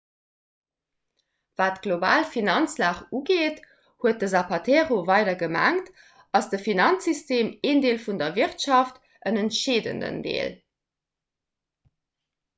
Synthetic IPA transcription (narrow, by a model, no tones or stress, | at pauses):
vaːtɡ̥loba̰ːlfinɑnt͡slaːχuɡeːt | huət̚dəzapʰɑtʰeːʁovɑɪdɐɡəmæ̰ŋt | ɑsd̥əfinɑnt͡sisteːmeːndeːlfundɐviʁtʃɑft | ənəntʃeːdə̰ndə̰ndḛːl